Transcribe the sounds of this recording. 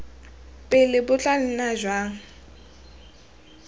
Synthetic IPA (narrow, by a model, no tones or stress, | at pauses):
pʼɪlɪbʊt͡ɬʼal̩naʒwaːŋ̩